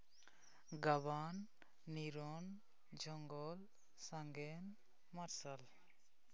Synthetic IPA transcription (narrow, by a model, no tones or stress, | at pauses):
ɡaβanː | iɾɔn | d͡ʒɔŋɡɔl | saŋɡɛn | maɾsal